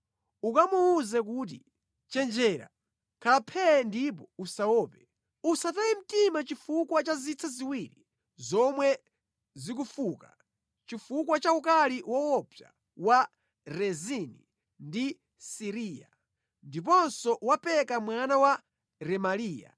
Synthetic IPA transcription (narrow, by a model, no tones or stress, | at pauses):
ukamuuzɛk̬ut̬ḭ | t͡ʃɛnd͡ʒɛɾa̰ | kʰapʰɛndip̬ɔusawɔːpɛ | usatajim̩timat͡ʃifukwat͡ʃazit͡sʰɛziwiːɾi | zɔmwɛ | zik̬ufuːka | t͡ʃifukwat͡ʃaukaliwɔwɔpja̰ | wa | ɾɛzini | ndi | siɾiːja̰ | ndip̬ɔnsɔwapɛkamwanawa | ɾɛmaliːja̰